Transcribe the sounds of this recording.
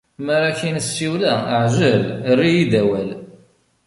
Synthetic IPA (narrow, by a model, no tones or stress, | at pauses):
məɾæçinəsːiwlæəʕʒəlrːijid̪æwæl